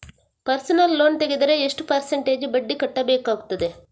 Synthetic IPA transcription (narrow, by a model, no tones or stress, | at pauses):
pɐɾsɐnɐlːo̞ːnt̪eɡed̪ɐɾeeʂʈupɐɾsɐɳʈe̞ːd͡ʒbɐɖːikɐʈːɐbeːkaːɡut̪ːɐd̪e